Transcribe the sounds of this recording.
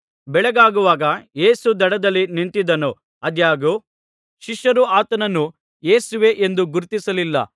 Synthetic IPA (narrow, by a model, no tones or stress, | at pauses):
bɛɭɐɡaːɡuʋaːɡɐje̞ːsud̪ɐɽɐd̪ɐlːinint̪id̪ɐnu | ɐd̪jaːɡu | ʃiʃjɐɾuaːt̪ɐnɐnːu | jeːsuʋe̞ʔend̪uɡuɾt̪isɐlilːɐ̰